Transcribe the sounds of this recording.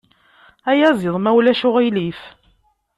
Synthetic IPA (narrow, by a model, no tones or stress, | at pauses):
æjæzˤɪðˤmæwlæʃʊʁilif